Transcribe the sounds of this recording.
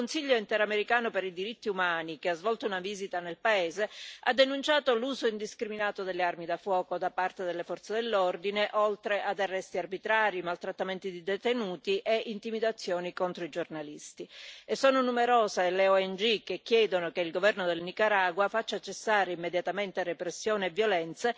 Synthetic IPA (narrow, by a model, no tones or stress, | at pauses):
konsiʎːoint̪ɛɾameɾikaːnopeɾid̪iɾit̪ːiumaːnikeazvɔlt̪ounaviːzit̪anelpaeːzea̰d̪ːenunt͡ʃaːt̪oluːzoind̪iskɾiminaːt̪od̪elːearmid̪afwɔːkod̪apart̪ed̪elːefɔrt̪sed̪elːord̪ineʔolt̪ɾeʔad̪arːɛst̪iarbit̪ɾaːɾimalt̪ɾat̪ːament̪id̪id̪et̪enuːt̪iʔeʔint̪imid̪at̪sːjoːnikont̪ɾoid͡ʒornalist̪iesːoːnonumeɾoːzeleoɛnd͡ʒikːekːjɛːd̪onokeilɡovɛrnod̪elnikaɾaːɡwafat͡ʃːat͡ʃːesːaːɾeimːed̪jat̪ament̪erepɾesːjoːneːvːjolɛnt̪se